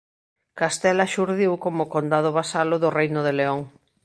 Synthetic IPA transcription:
kast̪ɛlaʃuɾðiwkomʊkond̪að̞ʊβasalʊðʊrejnʊðeleoŋ

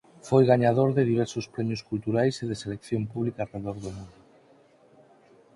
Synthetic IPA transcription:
fojɣaɲaðoɾðeðiβ̞ɛɾsʊspɾɛmjʊskult̪uɾajseðeselekθjompuβlikaːreðoɾðomũnd̪ʊ

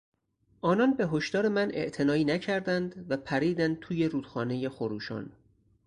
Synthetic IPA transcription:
ʔɒːnɒːnbe̞ɦo̞ʃd̪ɒːɾe̞mæne̞̰ʔt̪ʰe̞nɒːiːnæcʰæɾd̪ænd̪væpʰæɾiːd̪ænd̪̚t̪ʰuːje̞ɾuːd̪̥xɒːne̞jexoɾuːʃɒ̰ːn

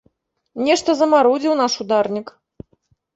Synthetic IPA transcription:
nʲɛʂt̪ɐzɐmaɾɔd͡zʲiwnaʂud̪arnʲik

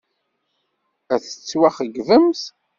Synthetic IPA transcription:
æθə̥t͡sːwæχəɡvəmθ

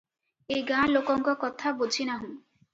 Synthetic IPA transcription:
ejɡãlokɔŋkɔkɔt̪ʰabud͡ʒʱinaɦũ

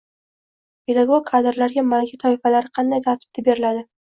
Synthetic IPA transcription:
pʰe̞d̪aɡoɡ̚kʰːad̪ɪɾlaɾɡʲamalɡʲat̪ʰɒɪfalaɾɪqʰɑnd̪ajt̪ʰaɾt̪ʰɪ̥b̚t̪abe̞ɾɪlad̪ɪ

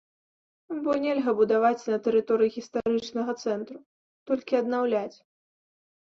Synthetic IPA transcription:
bɔnʲelʲɣɐbud̪avat͡sʲnɐt̪ɛɾɨt̪ɔɾɨjiɣʲist̪aɾɨt͡ʂnɐɣɐt̪sɛnt̪ɾu | t̪ɔlʲkʲiɐd̪nawlʲat͡sʲ

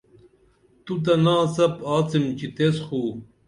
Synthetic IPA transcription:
t̪ut̪̬ɐnaːsɐpaːt͡simt͡ɕit̪esxuː

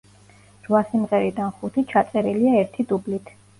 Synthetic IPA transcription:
ɾvasimʁɛɾid̪anχut̪ʰit͡ʃʰat̪sʼɛɾiliaɛɾt̪ʰid̪ublit̪ʰ

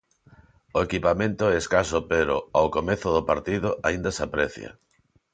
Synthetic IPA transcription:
oekipamẽnt̪ʊeskasopeɾʊawkomeθʊðʊpaɾt̪iðʊʔaĩnd̪ɐsapɾɛθjɐ̰

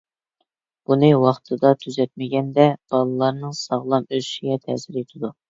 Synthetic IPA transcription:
b̥unɨwɑχt̪ʰɨd̪ɑt̪ʰyzɛt̪̚mɪɡʲɛnd̪ɛb̥ɑlˠɨlˠɑɾnɨŋsɑʁlˠɑmøzyʃiɡʲɛt̪ʰɛ̰sɪɾet̪ʰɪd̪u

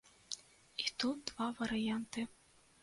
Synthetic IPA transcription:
it̪ut̪̚d̪vavɐɾɨjant̪ɨ

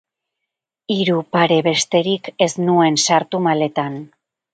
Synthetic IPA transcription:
iɾupaɾe̞βe̞st̪e̞ɾike̞snue̞nsaɾt̪umale̞t̪an

